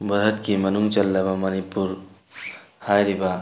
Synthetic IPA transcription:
bʱəɾət̪̚kimənuŋt͡ʃəlːebamənipːuɾ | hajɾiba

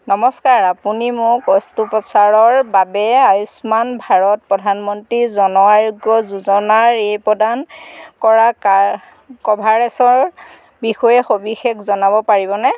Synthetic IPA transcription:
nɔmɔskaɹapunimʊkɔstupɔsaɹɔɹbabɛajusmanbʱaɹɔt̚pɹɔdʱanmɔntɹizɔnɔaɹuɡɔzuzɔnaɹejpɔdankɔɹa | kɔbʱaɹɛsɔɹ | bixɔjɛxobixekʰzɔnabɔpaɹibɔnɛ

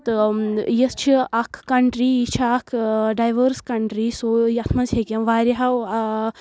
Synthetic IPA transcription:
t̪ɨjɐst͡ʃʰiɐkʰkːɐɳʈɾiːit͡ʃʰakʰɖajʋəɾskɐɳʈɾisojɐt̪ʰmɐzhekʲɐʋaːɾʲiɦaw

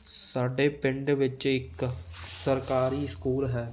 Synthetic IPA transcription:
səɖepɪ̃ɳɖʋɪt͡ʃɪksəɾkaːɾiskuːlɦɛː

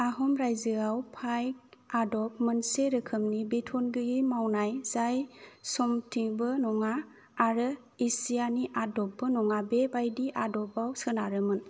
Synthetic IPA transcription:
aɦɔmɾajzɯawpʰajk̚adɔpmɯnseɾɯkʰɯmnibetʰɔnɡɯɡimawnajz̥ajsɔmtʰiŋbɯnɔŋaː | ɾɯ | isijaniʔadɔp̚ːɯnɔŋabebajdiʔadɔpawsɯnaɾɯmɯn

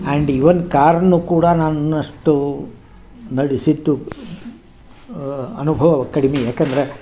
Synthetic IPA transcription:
ɐɳɖiʋɐnkaːɾɐnːukuːɽɐnaːnuɐʂʈu | nɐɽisid̪ːu | ɐnubʱɐʋɐɐkɐɽimijaːkend̪ɐɾe

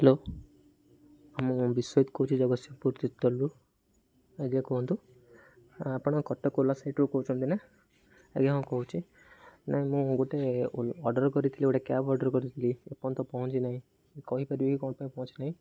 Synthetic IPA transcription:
ɦelo | amũbiswɔjt̪kɔut͡ʃʰid͡ʒɔɡɔsɔpuɾt̪it̪ːɔlu | eɡiakuɦɔ̃nt̪u | apɔɽ̃ɔkɔʈːɔkolasaiʈɾukɔɦut͡ʃʰunt̪ina | ḛɡeɦãw̃kɔɦut͡ʃʰi | naɦĩmũɡoʈeɔɾɖɔɾkɔɾit̪ʰiliɡoʈekjabɔɾɖəɾkɔɾit̪ʰiliepɔnt̪ɔpɔɦɔ̃t͡ʃinaɦĩ | kɔɦipaɾieɦikɔɽ̃paĩpɔɦɔ̃t͡ʃʰinaɦĩ

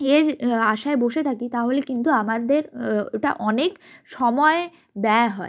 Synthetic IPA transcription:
eɾaʃaeboʃet̪ʰakit̪aɦolekint̪uamad̪eɾeʈa̰ʔɔnekʃɔmɔe | b̪ɛjaɦɔe

